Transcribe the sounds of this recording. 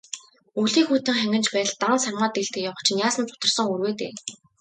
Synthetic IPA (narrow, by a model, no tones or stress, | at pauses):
uɮiːxuːt̪ɘ̆ŋχæŋɡʲɘ̆nt͡ɕpæ̆ːɮt̪ansarmaːt̪eɬt̪ɘ̆kjawə̆χt͡ɕʰnjaːsə̆nt͡sʰʊ̥t̪ə̆rsə̆ŋurweːt̪ḛː